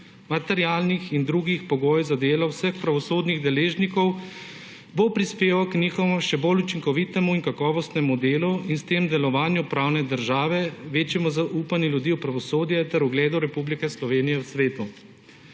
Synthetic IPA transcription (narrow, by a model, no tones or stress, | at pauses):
mat̪ɛɾjaːlnixind̪ɾuɡixpɔɡoːjzad̪eːlɔwsəxpɾaʋɔsoːd̪niɣd̪ɛleːʒnikɔw | bopɾispeːʋawkniːxɔʋmʃɛbolut͡ʃiŋkɔʋit̪ɛmuiŋkakɔːʋɔst̪nɛmud̪eːluinst̪eːmd̪ɛlɔʋaːnjupɾaːwnɛd̪əɾʒaːʋɛʋeːt͡ʃjɛmɔzaʔuːpanjuljud̪iːwpɾaʋɔsoːd̪jɛt̪ɛɾuɡlɛːd̪uɾɛpublikɛslɔʋeːnijɛwsʋeːt̪u